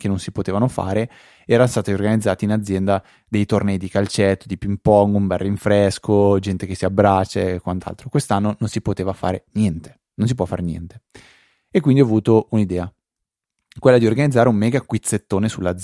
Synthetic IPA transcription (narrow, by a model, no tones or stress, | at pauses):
kenːonsipot̪eːvanofa̰ːɾe | ɛːɾast̪aːt̪iorɡanid̪zːaːt̪inad̪zːjɛnd̪a | d̪ejt̪ornɛjd̪ikalt͡ʃɛt̪ːod̪ipimpɔŋɡumbɛrːiɱfɾɛskod͡ʒɛnt̪ekesiabːɾat͡ʃːa̰kwant̪a̰lt̪ɾokwest̪anːononsipot̪eːvafa̰ːɾenjɛnt̪e̥ | nons̬ipwɔfːa̰ɾenjɛ̰nt̪e̥ | ekːwind̪iɔavuːt̪ounid̪ɛːa | kwelːad̪iorɡanid̪zːaːɾeumːɛːɡakwit̪sːet̪ːoːnesulːad̪z